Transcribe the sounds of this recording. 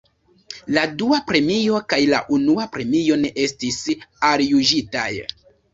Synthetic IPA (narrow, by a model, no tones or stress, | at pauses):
laduapɾe̞mijo̞kajla̰ʔunuapɾe̞mio̞ne̞ʔe̞stisaljuʒita̰j